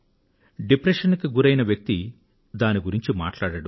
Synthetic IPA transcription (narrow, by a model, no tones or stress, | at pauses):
ɖipɾɐʃɐnkiɡuɾɐjnɐʋjɐk̚t̪i | d̪aːniɡuɾiɲt͡ʃima̰ːʈlaːɽɐɽu